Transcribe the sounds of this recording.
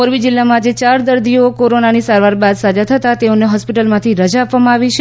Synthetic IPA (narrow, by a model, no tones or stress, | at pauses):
oɾʋid͡ʒɪlːamãd͡ʒet͡ʃaɾd̪əɾd̪iokoɾonanisaɾʋaɾbad̪sad͡ʒat̪ʰət̪at̪eoneɦɔspiʈəlmãt̪ʰiɾəd͡ʒaːpʋamãaʋit͡ʃʰe